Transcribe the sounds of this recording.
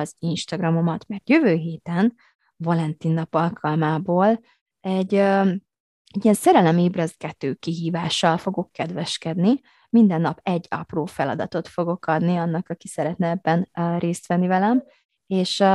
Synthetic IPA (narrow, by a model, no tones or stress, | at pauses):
ɒzinʃt̪ɒɡrɒmo̞mɒt̪mɛrt̪jøvøːɦeːt̪ɛn | vo̞lɛnt̪inːɒpɒlkʰɒlmaːboːl | ɛɟː | ɛɟːiɛnsɛɾɛlɛmeːbrɛzɡɛt̪øːkiɦiːvaːʃɒlfo̞ɡo̞kːɛd̪ʋɛʃkɛd̪ni | mind̪ɛnːɒpɛɟːɒ̰proːfɛlɒ̰d̪ɒ̰t̪o̞t̪fo̞ɡo̞kɒd̪niɒnːɒkɒkisɛɾɛt̪nɛɛbːɛnreːst̪ʋɛnːivɛlɛm | eːʃ